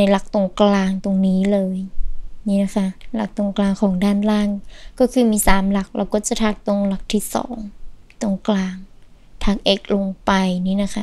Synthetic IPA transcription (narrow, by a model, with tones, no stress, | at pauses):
na˧jla˧˦k̚t̪o˧ŋklaː˧ŋt̪o˧ŋniː˦˥lɤː˧jniː˦˥na˦˥kʰa˦˥la˦˥k̚t̪o˧ŋklaː˧ŋkʰɔː˩˦ŋdaː˥˩nlaː˥˩ŋkɔː˥˩kʰɯː˧miː˧˥saː˨˩˦mla˨˩k̚lɛ̰ː˧˥wkɔː˥˩t͡ɕa˨˩t̪ʰaː˧˩k̚t̪o˧ŋla˨˩˦k̚t̪ʰiː˥˩sɔ̰ː˩˦ŋ | t̪o˧ŋklaː˧ŋ | t̪ʰaː˧˩ŋ̚ʔe˨˦˩k̚lo˧ŋpa˧jniː˦˥˨na˦˥kʰa˦˥